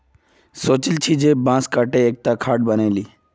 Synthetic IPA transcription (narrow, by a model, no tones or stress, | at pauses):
soːt͡ɕilt͡ɕʰid͡ʒebãːskaʈeːk̚t̪akʰaːʈ̚bəneːliː